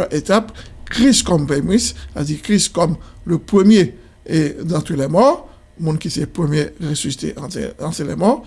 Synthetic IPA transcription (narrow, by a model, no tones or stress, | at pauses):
ʔet̪apkχiskɔmpemisa̰d̪ikχiskɔmləpχəmje | ed̪ɑ̃t̪ulɛmɔʁ | mɔ̃nkisɛpχəmjeʁesysi̥t̪ḛʔɑ̃ɑ̃sɛlɛ̰mɔʁ